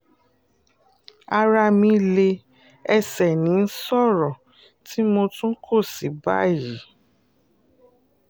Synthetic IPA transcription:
a˧ɾa˧mĩ˧le˧ | ɛ˧sɛ˨nĩ˨˦n̩˦sɔ˦˨ɾɔ˨ | tʰi˨˦mo˧tũ˦kʰo˦˨si˨ba̰˦ji˨˦

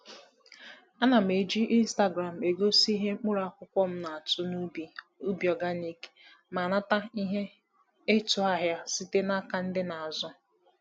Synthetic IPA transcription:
a˦na˨m̩˨e˨d͡ʒi˦ʔi˦n̩˦sta˦ɡɾa˨m̩˨e˨ɡo˦si˦ɦe˦k͡pʊ˦ɾa˦kʷʊ˦kʷɔ˦m̩˦na˨a˨tʊ˦n˦˨ | u˦bjɔ˨ɡa˦ni˦ke̥˨ | ma˨na˦ta˦i˦ɦe˦ | e˦tʊ˨a˦ɦja˦si˦te˦na˦ka˨n̩˦dɪ˦na˨a˨zɔ˦

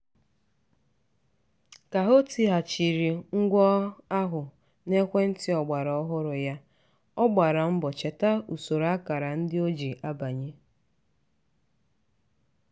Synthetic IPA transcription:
ka˨ɦo˦ti˨˦ɦa˨t͡ʃi˨ɾi˨ŋ̩˦ɡʷɔ˦a˦ɦʊ˨ | ne˦kʷe˦n̩˦tɪ˦ɔ˨ɡ͡ba˨ɾɔ˨˦ɔ˦ɦʊ˦ɾʊ˨ja˦ | ɔ˦ɡ͡ba˨ɾa˨m̩˦bɔ˨t͡ʃe˨ta˦u˨so˨ɾa˦ka˨ɾa˨n̩˦dɪ˦o˦d͡ʒi˨ʔa˦ba˨ɲe˦

